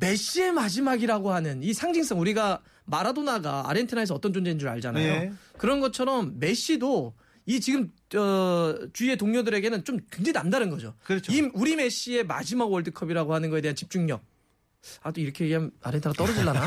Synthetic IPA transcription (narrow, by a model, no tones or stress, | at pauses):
me̞ɕ͈ie̞mad͡ʑimaɡiɾaɡohanɯnisʰaŋd͡ʑiŋs͈aŋuɾiɡa | maɾadonaɡa̰ːɾentʰɯnaes̬ʌʌt͈ʌnd͡ʑond͡ʑeind͡ʑuɾɯɭa̰ɭd͡ʑanajokɯɾʌnɡʌt͡ɕʰʌɾʌmːe̞ɕ͈ido | it͡ɕiɡɯm | ʌt͡ɕue̞toŋɲodɯɾe̞ɡenɯnt͡ɕomkend͡ʑenamdanɯnɡʌd͡ʑokiuɾime̞ɕ͈ie̞ma̰d͡ʑimaɡwʌɭdɯkʰʌbiɾaɡohanɯnɡʌe̞deant͡ɕip̚t͡ɕ͈uŋɲʌk̚ | adoiɾʌkʰe̞jeɡiɦana̰ɾentʰɯnat͈ʌɾʌd͡ʑiɭːana